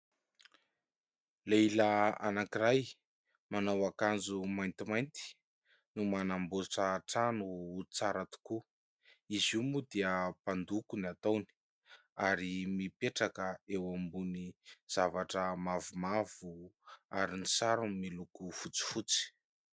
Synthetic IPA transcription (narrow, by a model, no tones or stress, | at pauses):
leilaa̰nakiɾaj | manawakand͡zumajnt̪imajnt̪i̥ | numanamboʈ͡ʂaʈ͡ʂanuːt͡saɾat̪u̥ku | izimud̪iəpand̪ukunat̪awni̥ | aɾimipeʈ͡ʂakəewambuniz̥avaʈ͡ʂəmavumav̥uaɾinisaɾumilukufut͡si̥fut͡si̥